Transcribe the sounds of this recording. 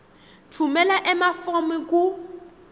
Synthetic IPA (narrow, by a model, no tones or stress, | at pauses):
tʰumɛlaʔɛmafɔmɛkʼu